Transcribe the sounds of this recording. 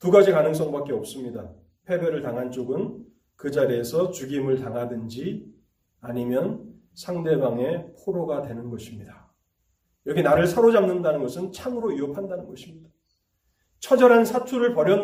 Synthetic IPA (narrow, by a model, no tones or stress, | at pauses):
tuɡad͡ʑikanɯŋs͈ʌŋbak͈e̞ʌp̚s͈ɯmɲida | pʰe̞bjʌɾɯɭtaŋɦant͡ɕ͈oɡɯn | kɯd͡ʑaɾiesʰʌt͡ɕuɡimɯɭtaŋɦadɯnd͡ʑi | aɲimjʌn | sʰaŋde̞baŋe̞pʰoɾoɡadwe̞nɯnɡʌɕʰimɲida | jʌɡinaɾɯɭsʰaɾod͡ʑaŋnɯndanɯnɡʌsʰɯnt͡ɕʰamɯɾoiʌpʰandanɯnɡʌɕʰimɲida | t͡ɕʰʌd͡ʑʌɾɦansʰatʰuɾɯɭpʌɾjʌn